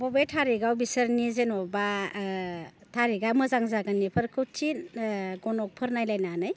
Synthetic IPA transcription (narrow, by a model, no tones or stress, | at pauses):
bɔbetʰaɾiɡawbisəɾnizenɔba | tʰaɾiɡamɯzaŋzaɡanipʰɯɾkʰɯwt͡ʃʰinɡɔnɔk̚pʰɯɾnajlajnanɯj